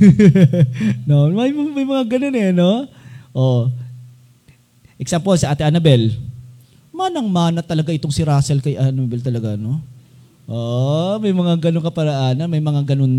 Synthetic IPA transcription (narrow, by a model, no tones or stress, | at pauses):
nomɐjmmɐjmɐŋaɡɐno̞nɛno̞ʔo | ʔɛk̚sampolsɐʔaːt̪ɪʔanɐbɛl | maːnɐŋmaːnɐt̪ɐlɐɡaʔɪt̪oŋsɪɾaːsɛlkɐjʔanabɛlt̪ɐlɐɡano | ʔoʔmɐjmɐŋaɡɐnoŋkɐpɐɾɐʔaːnɐnmɐjmɐŋaɡɐnon